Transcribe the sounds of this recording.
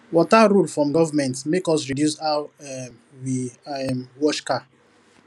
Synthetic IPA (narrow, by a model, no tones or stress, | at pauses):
wɔtaɾulfɹɔ̃mɡɔvamɛ̃ntmekɔsɹidjusa | wiɛmwɔʃka